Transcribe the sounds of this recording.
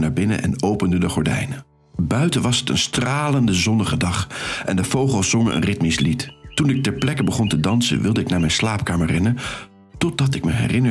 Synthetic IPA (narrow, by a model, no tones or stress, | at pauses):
naːɹbɪnə̰ʔɛ̰nowpəndədəχɔɹdɛ̰jnə | bœɥtəʋɑsətə̰nstraːləndəzɔnəχədɑχʔɛndəv̥owχəlˠsɔŋəʔə̰nrɪtmislittunɪk̚tɛɹplɛkəbəχɔntədɑnsə̰ʋɪlˠdəɪknaːɹmɛjnslaːpkaːməɹrɛnə | tɔd̚dɑtɪk̚məɦɛ̰rɪnə